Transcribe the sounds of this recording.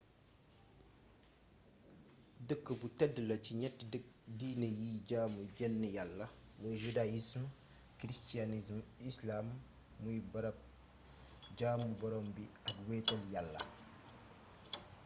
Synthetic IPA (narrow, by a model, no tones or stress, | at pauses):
dəkːəbutɛdəlɐciɲɛtːdiːnəjiːɟaːmuɟɛnːəjalːɐwɔʒudajism | kɾistianismislaːmː | ujbɐɾɐp̚ | ɟaːmubɔɾɔmbiɐkwɛːtɐljalːɐ̰